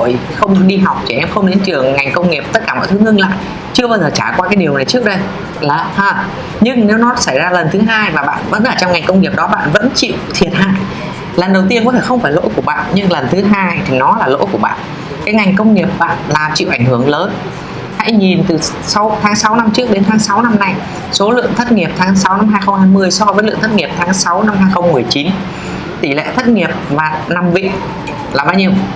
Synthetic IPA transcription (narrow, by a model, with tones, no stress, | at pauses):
o̰˧˨jxə˧wŋ͡mɗi˧ɦa˨˩wk͡p̚t͡ɕi˧˩ʔɛ˧mxə˧wŋ͡mɗḭ˧˦ənt͡ɕɨ˨˩əŋːa˨˩jŋ̟kə˧wŋ͡mŋi˨˩əp̚t̪t̚kaː˧˩mɔ̰˧˨jt̪ɨ˨˦ŋɨ˧ŋla̰ː˧˨j | t͡ɕɨ˧əɓaː˧jzəː˨˩t͡ɕaː˧˩kwaː˧kaː˨˦jɗi˨˩əwna˨˩jt͡ɕɨ˦˥ək̚ɗə˧j | laː˨˩haː˧˩ | ɲɨ˧ŋne˨˦wnɔ˨˦sa˧˩jzaː˧lə˨˩nt̪ʰɨ˨˦ɦaː˧jvaː˨˩ɓa̰ː˧˨nvə̰˧˥nʔəː˧˩t͡ɕɔ˧wŋ͡mŋa˨˩jŋ̟kə˧wŋ͡mŋi˨˩əp̚ɗɔ˨˦ɓa̰ː˧˨nvə̰˧˥nt͡ɕḭ˧˨wt̪ʰi˨˩ət̚ha̰ː˧˨j | lə˨˩nɗə˨˩wt̪̬i˧əkɔ˨˦t̪ʰe˧˩xə˧wŋ͡mfaː˧˩jlo̰˧˥jku˧˩ɓa̰ː˧˨nɲɨ˧ŋlə˨˩nt̪ʰɨ˨˦ɦaː˧jt̪ʰi˨˩nɔ˨˦laː˨˩lo̰˧˥jku˧˩əɓa̰ː˧˨n | kaː˨˦jŋa˨˩jŋ̟kə˧wŋ͡mŋi˨˩əp̚ɓa̰ː˧˨nlaː˨˩mt͡ɕḭ˧˨ʔa˧˩ŋ̟hɨ˧˩əŋləː˨˦n | ha̰˧˥jɲi˨˩nt̪ɨ˨˩ | sa˨˦wt̪ʰaː˨˦ŋsa˨˦wna˧mt͡ɕɨ˦˥ək̚ɗe˨˦nt̪ʰaː˨˦ŋsa˨˦wna˧mna˧j | so˨˦lɨ̰˧˨əŋt̪ʰə˦˥t̚ŋi˨˩əp̚t̪ʰaː˨˦ŋsa˨˦wna˧mɦaː˧jxə˧ŋ͡mhaː˧jmɨ˧əjsɔ˧vəː˨˦lɨ̰˧˨ŋt̪ʰt̚ŋi˨˩p̚t̪ʰaː˨˦ŋsa˨˦wna˧mhaː˧jxə˧wŋ͡mmɨ˨˩əjt͡ɕi˨˦n | t̪i˧˩lḛ˧˨t̪ʰə˦˥t̚ŋi˨˩əp̚vaː˨˩na˨˩mvḭ˧˨ | laː˨˩ɓaː˧wɲi˧əw